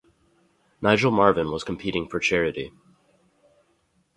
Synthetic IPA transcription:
naɪd͡ʒl̩ˠmɑɹvɨ̃nwʌz̥kʰm̩pʰiɾɪ̃ŋfə˞t͡ʃʰɛɹɨɾi

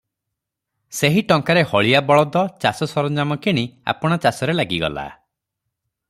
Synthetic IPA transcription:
seɦiʈɔŋkaɾehɔɭijabɔɭɔd̪ɔt͡ʃasɔsɔɾɔnd͡ʒamɔkʰiɽ̃ia̰pɔɽ̃ɔt͡ʃasɔɾelaɡiɡɔ̰la̰

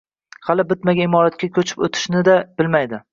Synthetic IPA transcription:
halɪbɪt̪maɡʲaɪmɒɾat̪̚kʲakʲʰɵt͡ʃʰɪ̥po̰t̪ʰɪ̥ʃnɪd̪ab̥ɪlmajd̪ɪ

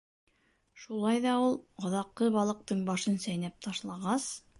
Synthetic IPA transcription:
ʃulˠɑjðɑulˠɑðɑqːɤβɑlˠɤ̆q̚t̪ɤɴbɑʃɤnsæjnæp̚t̪ʰɑʃlˠɑʁɑs

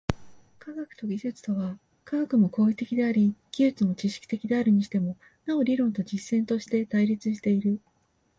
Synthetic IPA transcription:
kaɡakɯ̟̥t̪o̞ɡʲiʑɨt͡sɨ̥t̪o̞βa | kaɡakɯ̟mo̞ko̞ːit̪e̞kʲid̪e̞aɾʲiɡ̥ʲiɨt͡sɨmo̞t͡ɕiɕi̥kʲi̥t̪e̞kʲid̪e̞aɾɯ̟ɲ̟iɕi̥t̪e̞mo̞ | nao̞ɾʲiɾõ̞nt̪o̞d͡ʑisːẽ̞nt̪o̞ɕi̥t̪e̞t̪aiɾʲit͡sɨɕ̬i̥t̪e̞iɾɯ̟

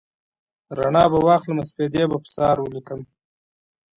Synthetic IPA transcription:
ɾaɳɑbawɑxləmasped̪ebapə̥sɑɾwəlikəm

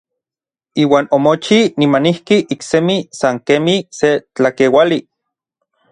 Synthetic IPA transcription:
iːwaːnomot͡ʃinimanihkiʔiksemisaŋkemiset͡ɬakewali

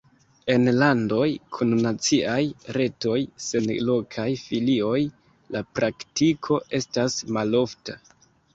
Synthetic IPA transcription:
e̞nlando̞jkʰunːat͡siʔajɾe̞to̞jse̞nlo̞kʰajfilio̞j | lapɾʔaktikʰo̞ʔe̞stasmalo̞fta

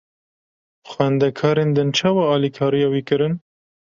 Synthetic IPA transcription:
xwɛnd̪ɛkʰɑːɾeːnd̪ɨnt͡ʃʰɑːwɑːɑːlikʰɑːɾijɑːwiːkɨɾɨn

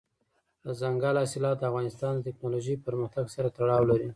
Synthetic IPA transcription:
əzaŋɡalɑsɪlɑt̪̚d̪əafɣɑnɪst̪ɑnd̪ət̪ɪknoloʒəpəɾməxt̪aɡsaɾat̪aɽɑwlaɾi

